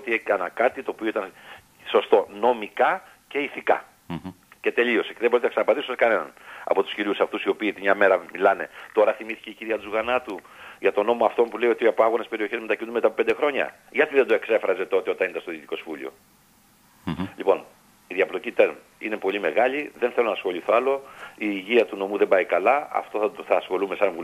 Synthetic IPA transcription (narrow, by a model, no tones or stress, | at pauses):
ot̪ieɐnɐkɐt̪it̪o̞ːpio̞it̪ɐn | so̞st̪o̞no̞mikɐ | ce̞iθikɐ̰ | ce̞t̪e̞lio̞seceðeboit̪enɐksɐnɐpɐnd̪isuskɐne̞nɐ̰nɐ̰po̞t̪usciɾiusɐft̪usio̞piːt̪mɲɐme̞ɾɐmilɐne̞t̪o̞ɾɐθimiθiceiciɾiɐt̪uzuɣɐnɐt̪u | ʝɐt̪o̞no̞mo̞ɐft̪o̞mpule̞io̞t̪iɐpoɐɣonespe̞ɾio̞çezmet̪ɐcinumet̪aɐpoped̪e̞xɾo̞ɲɐ̰ | ʝɐt̪iðend̪o̞e̞kse̞fɾɐze̞t̪o̞t̪e̞o̞t̪ɐnind̪ɐst̪oðit̪iko̞zvulḭo̞̰ | ʎipo̞n | iðjɐplocit̪eɾm | ine̞po̞lime̞ɣɐʎiðe̞nθe̞lonɐsxo̞ʎiθoɐlo̞iːʝiɐt̪uno̞muðe̞mbɐikɐlɐɐ̰ft̪o̞θɐsxo̞lumesɐɱvu